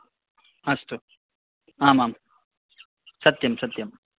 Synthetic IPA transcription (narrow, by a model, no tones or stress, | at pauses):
ɐst̪o | aːmaːm | sɐt̪jɐmsɐt̪jɐm